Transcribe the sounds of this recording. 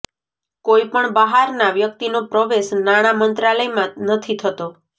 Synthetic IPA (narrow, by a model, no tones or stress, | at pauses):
koipəɳbaɦaɾnaʋjək̚t̪inopɾəʋeʃnaɽ̃amənt̪ɾaləjmãnət̪ʰit̪ʰət̪o